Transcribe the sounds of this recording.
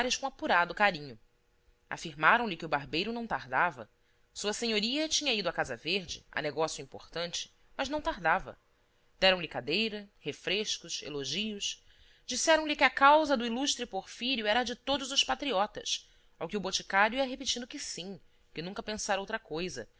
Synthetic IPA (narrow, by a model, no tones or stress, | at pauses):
ɾɪʃkõapuɾad̪ʊkaɾĩɲʊ | a̰fiɾmaɾɐ̃w̃lɪkɪʊbaɾbejɾʊnɐ̃w̃t̪aɾd̪avɐ̰ | suɐseɲoɾiɐt͡ʃĩɲɐid̪ʊakazɐveɾd͡ʒɪ̰a̰neɡɔsjʊĩmpo̰χt̪ɐ̃nt͡ʃɪ̥ | mɐʒnɐ̃w̃t̪aɾd̪avɐ̰ | d̪̥ɛɾɐ̃w̃lɪkad̪ejɾɐhefɾeʃkʊʃḛloʒiʊʃ | d͡ʒisɛɾɐ̃w̃lɪkɪakawzɐd̪ʊiluʃt̪ɾɪpoɾfiɾjuɛɾɐd͡ʒɪt̪od̪ʊzʊʃpat̪ɾiɔt̪ɐ̰ʃ | awkɪʊbot͡ʃi̥kaɾjʊiɐɦepit͡ʃĩd̪ʊkɪsĩ | kɪnũŋkɐpẽsaɾowt̪ɾɐkojzɐ